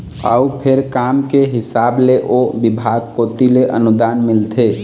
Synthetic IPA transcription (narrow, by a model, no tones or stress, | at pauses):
ə̰upʰɪɾkamkeɦɪsableʔobɪbʱaɡkot̪ileʔə̰nʊd̪anmɪlt̪ʰe